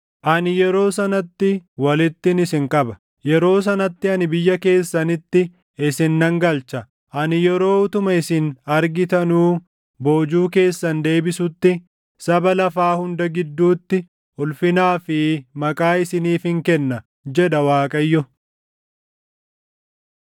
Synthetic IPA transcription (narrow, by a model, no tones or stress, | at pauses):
ʔɐnɪjɛɾo̞ːsɐnɐt̪ːɪwɐlɪt̪ːɪnɪsɪŋkʼɐbɐ̥ | jɛɾo̞ːs̬ɐnɐt̪ːɪɐnɪbɪjːɐke̞ːsːɐnɪt̪ːɪ | ɪsɪnːɐŋɡɐlt͡ʃɐ | ʔɐnɪjɛɾo̞ːʊt̪ʊmɐɪsɪnɐɾɡɪt̪ɐnuː | bo̞ːd͡ʒuːke̞ːsːɐnd̪e̞ːbɪsʊt̪ːɪ | sɐbɐlɐfaːhʊnd̪ɐɡɪd̪ːuːt̪ːɪ | ʊlfɪnaːfɪmɐkʼaːɪsɪniːfɪŋkɛnːɐ | d͡ʒɛᶑɐwaːkʼɐjːɔ